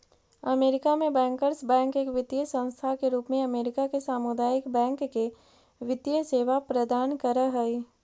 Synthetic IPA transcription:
ɐmeːɾɪkamẽbɛ̃ːŋkəɾsbɛ̃ːŋkeːkʋɪd̪jəsə̃ñst̪ʰakeɾuːpmẽɐmeːɾɪkakesaːmʊd̪aːjɪkbɛ̃ːŋkːe | ʋɪt̪jəseːʋapɾəd̪aːnkəɾəɦɛi

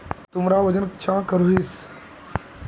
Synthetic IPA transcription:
t̪ʊmɾaːʋɐd͡ʒənkt͡ʃãːkəɾuɦis

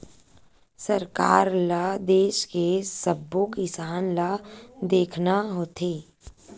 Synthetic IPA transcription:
səɾkaːɾləd̪eːʃkesəbːõkɪsaːnləd̪eːkʰnaɦoːt̪ʰeː

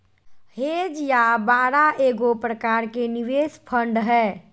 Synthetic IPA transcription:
heːd͡ʒjabaːɾaʔeːɡopɾəkaːɾkenɪʋeːspʰə̃ɳɖɦɛː

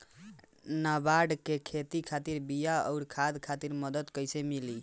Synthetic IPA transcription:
nabaɖkekʰet̪ikʰat̪iɾbijaɔ̰ʊɾkʰad̪kʰat̪iɾməd̪əd̪kəjsemili

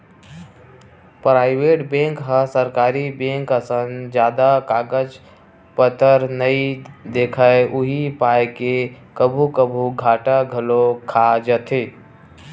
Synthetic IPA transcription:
pɾaːɪʋeʈbẽŋkɦəsəɾkaːɾibẽŋkəsənd͡ʒjaːd̪akaːɡəd͡ʒ | pət̪əɾnəid̪ekʰəeuɦipajkekəbʱukəbʱuɡʱaːʈaɡʱəlokʰad͡ʒət̪ʰe

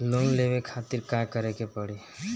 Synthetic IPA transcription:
lonlebekʰat̪iɾkãkəɾekepəɽi

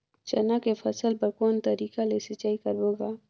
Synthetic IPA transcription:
t͡ʃɐ̰nakefʰɐsəlpɐɾkoːnt̪ɐɾiːkalesɪt͡ʃaːikɐɾboːɡaː

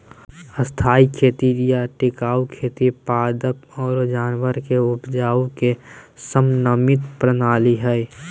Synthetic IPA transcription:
əst̪ʰaːikʰeːt̪iɾijaʈɪkaːukʰeːt̪ipaːd̪əpɔːɾd͡ʒaːnwəɾkeʊpd͡ʒaːukesəmnəmɪt̪pɾənaːliɦɛɛ

